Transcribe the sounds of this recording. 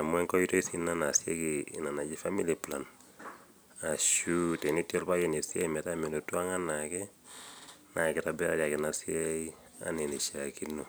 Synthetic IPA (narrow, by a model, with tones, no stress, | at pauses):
a˨mwɛ˦ŋkɔ˦ji˦to˦i˦sina˦na˨sje˦ki˨na˨na˨d͡ʒi˦fa˦mi˦lipla˨n | a˨ʃutɛ˨nitjɔ˦lpa˦kɛ˨ne˨si˦a˦imɛ˨ta˦me˨no˨tu˦a˦ŋa˦nakɛ | na˨kɪ˨tabɛ˦ɾadja˨kɪ˨nasi˦ai | a̰˦ne˨ne˨ʃa˨kinːo